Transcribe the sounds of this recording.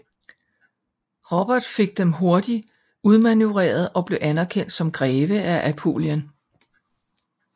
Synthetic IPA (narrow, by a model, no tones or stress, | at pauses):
ʁɒb̥ɐd̥fe̝ɡ̥̚d̥emɦo̝ɐd̥i | uð̞ˠmænjuʁɛ̰ːɐð̞̩ˠɒ̽b̥le̝ʊʔænæɐkʰen̰d̥sɒ̽mɡ̥ʁɛːʋəʔæʔæpʰo̝̰ːljən